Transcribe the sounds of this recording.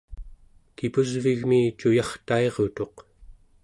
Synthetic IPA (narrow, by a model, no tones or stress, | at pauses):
kipuzviɣmiːt͡ʃujɑχt̪ae̞ʁo̞t̪o̞q